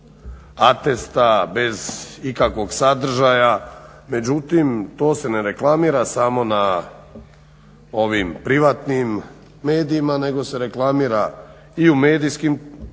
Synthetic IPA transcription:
at̪est̪abe̞zikakʋo̞ɡsad̪r̩ʒaja | me̞d͡ʑut̪imt̪o̞ːse̞neɾe̞klˠamiːɾasamo̞na | o̞ʋimpɾiʋat̪nimː | e̞ːd̪iimane̞ɡo̞se̞ɾe̞klˠamiːɾa | iume̞ːd̪ijskim

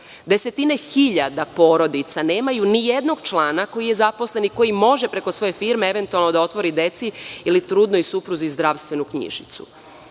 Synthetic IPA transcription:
d̪e̞se̞t̪ine̞xiʎad̪apo̞ːɾo̞d̪it̪sane̞ːmajunije̞d̪no̞ɡt͡ʃlˠaːnako̞jije̞zapo̞sle̞niko̞jimo̞ʒe̞pɾe̞ko̞sʋo̞je̞fiːɾmeeʋe̞nt̪ualˠno̞d̪ao̞t̪ʋo̞ɾid̪e̞t̪siilit̪ɾud̪noisupɾuzizd̪ɾaʋst̪ʋe̞nukɲḭʒit̪sṵ

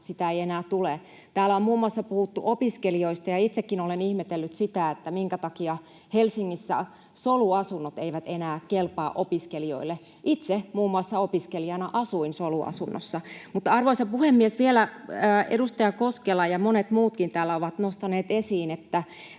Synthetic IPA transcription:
sit̪æeienæːt̪ule | t̪æːlæommuːmːuɑsːɑpuhut̪ːuʔopiskelioist̪ɑjɑit̪sekːinolenihmet̪elːyt̪sit̪æet̪ːæmiŋkæt̪ɑkiɑ | helsiŋːisːæ̰ | soluɑsunːot̪eiʋæt̪enæːkelpɑːʔopiskelio̰ilːe | ʔit̪semuːmːuɑsːɑopiskeliɑnɑʔɑsuinsoluɑ̰sunːo̰sːɑmut̪ɑrʋoisɑpuhemːiesʋielæəːedust̪ɑjɑkoskelɑjɑmonet̪muːt̪kint̪æːlːæoʋɑt̪nost̪ɑneːt̪esiːnet̪ːæ

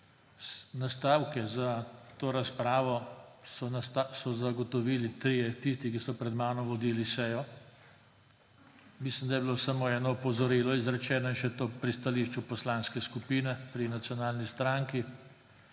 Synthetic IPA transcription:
snast̪aːwkɛzat̪oːɾaspɾaːʋɔsɔsɔzaɡɔt̪ɔʋiːlit̪ɾijɛt̪ist̪ikisɔpɾɛd̪maːnɔmʋɔd̪iːlisɛːjɔ | mislimd̪ajɛbilosamoɛːnɔpɔzɔɾiːlɔizɾɛt͡ʃɛːnainʃɛt̪oːpɾist̪aliːʃt͡ʃupɔslanskɛskupiːnɛpɾinat̪sjɔnaːlnist̪ɾaŋki

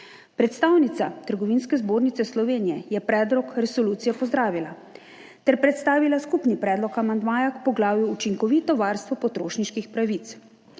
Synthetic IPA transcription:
pɾɛt̪st̪aːwnit̪sat̪əɾɡɔʋiːnskɛzboːɾnit̪sɛslɔʋeːnijɛjɛpɾɛːd̪ɾɔkɾɛsɔluːt̪ijɛpɔzd̪ɾaːʋila | t̪ɛɾpɾɛt̪st̪aːʋilaskupnipɾɛːd̪lɔkamand̪maːjakpɔɡlaːwjuːt͡ʃiŋkɔʋiːt̪ɔʋaːɾst̪ʋɔpɔt̪ɾoːʃniʃkixpɾaʋit̪s

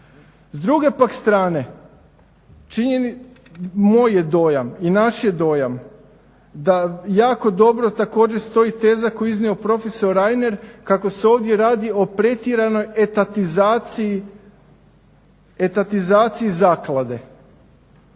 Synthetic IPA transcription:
zd̪ɾuɡe̞pakst̪ɾaːne̞ | t͡ʃiɲeni | moːjjed̪o̞ːjaminaʃjed̪o̞ːjam | d̪ajaːko̞d̪o̞bɾo̞t̪ako̞ːd͡ʒest̪o̞it̪e̞ːzakojiznio̞pɾo̞feso̞ɾajne̞ɾkako̞seo̞ːʋd̪je̞ɾaːd̪io̞pɾe̞t̪iɾano̞jet̪at̪izaii | et̪at̪izaːt̪siizaːklˠad̪e̞

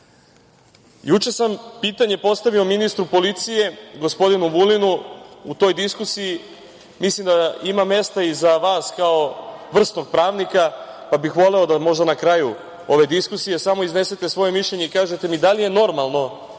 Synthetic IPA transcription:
jut͡ʃe̞sampiːt̪aɲe̞po̞st̪aʋio̞minist̪ɾupo̞lit̪sije̞ɡo̞spo̞d̪inuʋulinuut̪o̞jd̪iskusiji | mislˠimd̪aimamːe̞st̪aizaʋaːskao̞ʋr̩st̪noɡ̚pɾaːʋnikapabixʋo̞le̞o̞d̪amo̞ʒd̪anakɾaju | o̞ʋe̞d̪iskusije̞samo̞izne̞set̪e̞sʋo̞je̞miʃʎʲe̞ɲeikaːʒe̞t̪e̞mid̪alije̞no̞ɾmalˠno̞

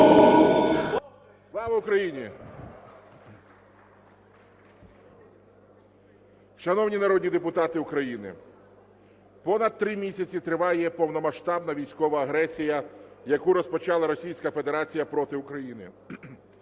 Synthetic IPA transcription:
slˠɑʋɐʊkɾɐjinʲi | ʃɐnɔwnʲinɐɾɔd̪ʲnʲid̪epʊt̪ɑt̪ɪʊkɾɐjinɪ̰ | pɔnɐd̪̚t̪ːɾɪmʲisʲɐt͡sʲit̪ɾɪʋɑjɛpɔwnɔmɐʃt̪ɑbnɐʋʲijsʲkɔʋɐːɦɾɛsʲijɐjɐkuɾɔspɔt͡ʃɑlˠɐɾɔsʲijsʲkɐfe̞d̪eɾɑt͡sʲijɐpɾɔt̪ɪʊkɾɐjinɪ̰

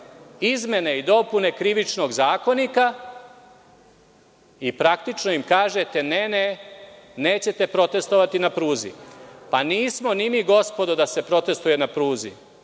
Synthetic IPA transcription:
izme̞neid̪o̞pune̞kɾiʋit͡ʃno̞ɡzaːko̞nika | ipɾak̚t̪it͡ʃno̞imkaːʒet̪e̞nene | neːt͡ɕe̞t̪e̞pɾo̞t̪e̞st̪o̞ʋat̪inapɾuːzḭpaniːsmo̞nimiɡo̞spo̞d̪od̪ase̞pɾo̞t̪e̞st̪uje̞napɾuːzḭ

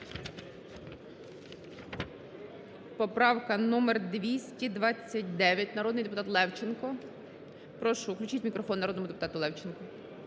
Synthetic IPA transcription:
pɔpɾɑwkɐnumerd̪ʋʲisʲtʲid̪ʋɑt͡sʲːɐt̚ʲd̪ɛʋʲjɐtʲnɐɾɔd̪nɪjd̪epʊt̪ɑt̪lˠɛwt͡ʃenkɔ | pɾɔʃʊʊklʲʉt͡ʃitʲmʲikɾɔfɔnːɐɾɔd̪nɔmʊd̪epʊ̥t̪ɑt̪ʊlˠɛwt͡ʃenkɔ

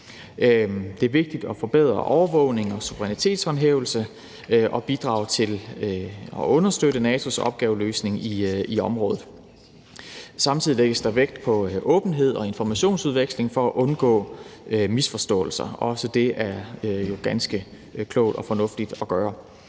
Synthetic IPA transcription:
d̥e̝æɐʋe̝ɡ̥̚d̥id̥ɒ̽fɒ̽b̥eð̞̰ˠʁɐ̰ʔɒʊɐʋɔ̽ʊne̝ŋɒ̽suʋəʁɛnit͡sʰe̝̰ːd̥shɒ̽nɦeːʊl̩sə | ʔɒ̽b̥id̥ʁɑ̈ʊt͡sʰe̝l | ɒ̽ɔ̽nɐsd̥øɾənɛːt͡sʰo̝sɒ̽b̥̚ɡ̥ɛːʊløːsne̝ŋiiɒ̽mʁɔ̽ːðð̩ˠ | sɑ̈mt͡sʰið̰ˠileɡ̥əsd̥ɑ̈ʋeɡ̥̚d̥pʰɒ̽ʔɔ̽ːb̥n̩ɦe̝ð̞̰ˠɒ̽e̝nfɒmæɕo̝̰ːnsuð̞ˠʋeɡ̥sle̝ŋfɒ̽æʔɔ̽nɡ̥ɔ̰ːmisfɒ̽sd̥ɔ̰̽ːl̩sɐɒ̽səd̥e̝ʔæɐjo̝ɡ̥ænsɡ̥ə | kʰlɔʊd̥ɒ̽fɒ̽nɔ̽fd̥id̥ɒ̽ɡ̥ɶːɐ

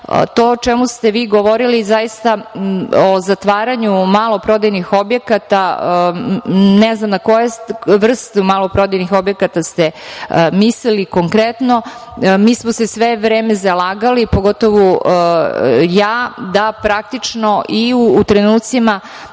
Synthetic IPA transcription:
t̪oːt͡ʃɛmust̪e̞ʋiːɡoʋoɾilizajist̪a | ozat̪ʋaːɾaɲumalˠo̞pɾo̞d̪ajnixo̞bjekat̪a | nɛznamnakojesʋr̩st̪umalˠopɾo̞d̪ajnixo̞bjekat̪ast̪emisliliko̞ŋkɾet̪no | miːsmosesʋeʋɾeːmezalaːɡalipo̞ɡo̞t̪oʋo | jaːd̪apɾak̚t̪it͡ʃno̞ʔiuut̪ɾenuːt̪sima

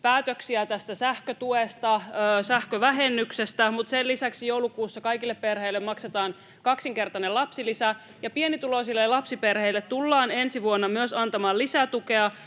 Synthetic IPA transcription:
pæːt̪øksiæt̪æst̪æsæhkøt̪uest̪ɑøːsæhkøʋæɦenːyksest̪æmut̪selːisæksjouwlukuːsːɑkɑjkilːepperheilːemɑkset̪ɑːn | kɑksiŋke̞rt̪ɑnelɑpsilisæ | jɑpienit̪ulosilːellɑpsiperheilːet̪t̪ːulːɑːne̞nsiʋuonːɑmyøsɑnt̪ɑmɑːllisæt̪uke̞ɑ

